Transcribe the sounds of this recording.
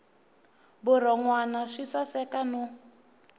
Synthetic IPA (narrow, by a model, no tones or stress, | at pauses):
bʊrɔŋwanaʂisasɛkanu